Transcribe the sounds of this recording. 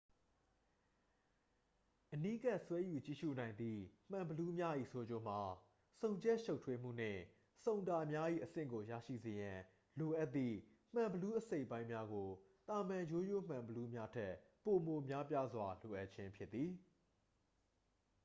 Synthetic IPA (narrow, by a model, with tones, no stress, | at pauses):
ʔəni˦ɡa˦˨ʔswɛ˦ju˨t͡ɕḭ˦˨ʃṵ˦˨nã˨ɪ̃nd̪ḭ˦˨m̥ã˨mbəlu˦mja˦ʔḭ˦˨sʰo˦d͡ʑo˦˨m̥a˨ | sõ˨ʊ̃ɲd͡ʑɛ˦ʔʃo˦ʊtʰwe˦m̥ṵ˦˨n̥ɪ̰̃˦˨ | sõ˨ʊ̃nta˨mja˦ʔḭ˦˨ʔəsɪ̰̃˦˨ŋɡo˨ja̰˦˨ʃḭ˦˨ze˨jã˨ | lo˨ʔa˦t̪ːḭ˦˨ | m̥ã˨mbəlu˦ʔəse˦ɪpːã˦ɪ̃mja˦ɡo˨t̪a˨mã˨jo˦jo˦˨m̥ã˨mbəlu˦mja˦tʰɛ˦ʔpo˨mo˨mja˦pja˦zwa˨lo˨ʔa˦ʔ̚t͡ɕʰɪ̃˦mpʰjɪ˦t̪ːi˨